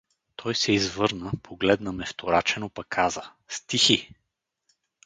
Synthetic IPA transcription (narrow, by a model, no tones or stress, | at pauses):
t̪ʰɔjsɛizvɤɾnəpʰoɡlɛd̪nəmɛft̪oɾat͡ʃɛnopɐkʰːazə | st̪ixi